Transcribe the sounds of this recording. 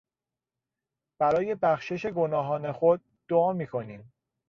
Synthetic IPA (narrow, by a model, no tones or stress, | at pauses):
b̥æɾɒːje̞bæxʃe̞ʃe̞ɡo̞nɒːɦɒːne̞xod̪̚ | d̪̥oɒːmiːkʰo̞niːm